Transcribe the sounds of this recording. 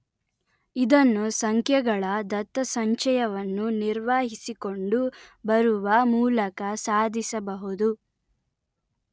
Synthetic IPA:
id̪ɐnːusɐŋkʰjɐɡɐɭɐd̪ɐt̪ːɐsɐɲt͡ʃɐjɐʋɐnːuniɾʋaːɦisiko̞ɳɖubɐɾuʋɐmuːlɐkɐsaːd̪ʱisɐbɐɦud̪u

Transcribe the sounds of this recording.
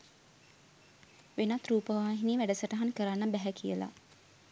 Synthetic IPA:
ʋenat̪ruːpəʋaːɦiniːʋæɖəsəʈəɦankəɾanːəbæɦɛkʰijəla̰

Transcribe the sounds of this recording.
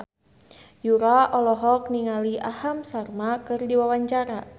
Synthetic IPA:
juɾaɔlɔɦɔk̚niŋaliʔahamsarmakɨrdiwawaɲt͡ʃaɾa

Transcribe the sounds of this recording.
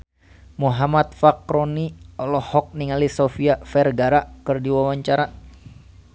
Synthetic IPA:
muɦamat̪̚fakɾɔniɔlɔhɔk̚niŋalisɔfiafɛrɡaɾakɨrdiwawaɲt͡ʃaɾa

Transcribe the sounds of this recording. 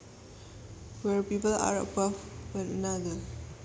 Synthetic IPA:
wɛɹpiːpəla̰ɹə̰bavwə̃nənad̪ə

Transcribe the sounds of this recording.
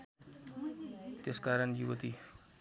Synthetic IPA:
t̪eskaːɾəɳjuʋət̪i

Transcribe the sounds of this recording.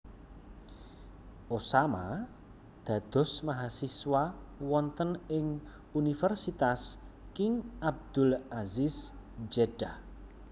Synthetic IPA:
ʔosama | d̪̥ä̤d̪̥ɔ̤smaɦasiswawɔnt̪ənɪŋ | unifɛrsit̪as | kɪŋʔab̚d̪̥ʊ̤lazisd͡ʒeɖ̥ah

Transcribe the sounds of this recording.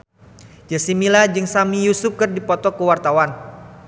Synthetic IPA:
d͡ʒasimilad͡ʒɨŋsamijusukərdipɔt̪ɔkəwart̪awan

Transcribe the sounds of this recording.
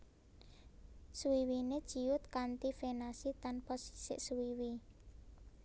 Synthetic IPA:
suwiwined̥ʒ̥i̤jʊt̪̚kant̪ifenasit̪anpɔsi̥sɪ̰ʔsuwiwi

